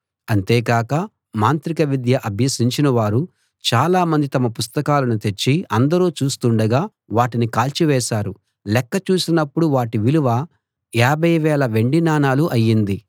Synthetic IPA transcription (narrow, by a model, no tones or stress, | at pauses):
ɐnt̪eːkaːkɐ | maːnt̪ɾikɐʋid̪jɐʔɐbʱjɐsiɲt͡ʃinɐʋaːɾu | t͡ʃaːlaːmɐnd̪it̪ɐmɐpust̪ɐkaːlɐnut̪e̞t͡ʃːiɐnd̪ɐɾoːt͡ʃuːst̪uɳɖɐɡaː | ʋaːʈinikaːlt͡ʃiʋɛːʃaːɾu | lɛkːɐt͡ʃuːsinɐpːuɽuʋaːʈiʋiluʋɐ | jaːbʱɐjʋɛːlɐʋe̞ɳɖinaːnaːluʔɐjːind̪i